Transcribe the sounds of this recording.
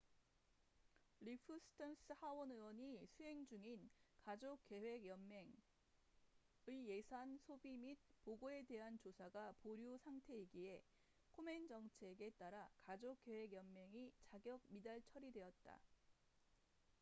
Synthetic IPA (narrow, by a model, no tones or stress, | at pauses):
ɾipʰɯsʰɯ̥tʰans͈ɯhawʌnɯwʌɲisʰuɦe̞ŋd͡ʑuŋinkad͡ʑok͈ːe̞we̞ɡjʌmeŋ | ɯije̞sʰansʰobimit̚poɡoe̞de̞ɦant͡ɕosʰaɡapoɾjuosʰaŋtʰe̞iɡie̞ | kʰome̞nd͡ʑʌŋt͡ɕʰe̞ɡe̞t͈aɾakad͡ʑok͈e̞we̞ɡjʌnmjʌŋit͡ɕaɡjʌɡ̚midaɭt͡ɕʰʌɾidwe̞ʌt̚t͈a̰